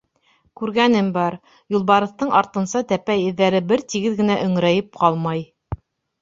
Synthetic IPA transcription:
kʉɾɡænɘmbɑɾ | julˠbɑɾɤ̆θt̪ɤɴʔɑɾt̪ɤ̆nsɑt̪æpæjɘ̆ðːæɾɘbɘɾt̪iɡɘðɡɘ̆næʔɵ̆ŋɾæjɘp̚qʰɑlˠmɑj

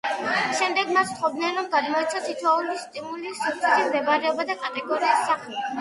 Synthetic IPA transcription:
ʃɛmd̪ɛɡmat̪sʰt̪ʰχɔbd̪nɛnɾɔmɡad̪mɔɛt̪sʰasit̪ʰwaulist̪ʼimulisupt̪sʰɛʃimd̪ɛbaɾɛɔbad̪akʼat̪ʼɛɡɔɾiisːaχlɛ

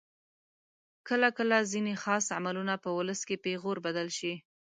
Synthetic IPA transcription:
kəlakəlazinexɑsa̰malunapəwʊləskepeɣoɾbad̪alʃi

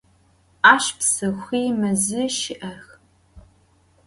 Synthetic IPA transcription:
aːʃpsɨxʷiːmɐzɨʃɪʔɐx

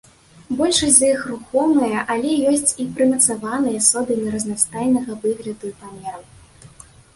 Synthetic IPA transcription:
bɔlʲʂɐzɐixruxɔmɐjɐʔɐlʲɛjɔsʲt͡sʲipɾɨmɐt̪savanɨjɐsɔd̪ɨmʲiɾɐznast̪ajʲnɐɣɐvɨɣlʲɐd̪uipamʲɛɾɐw

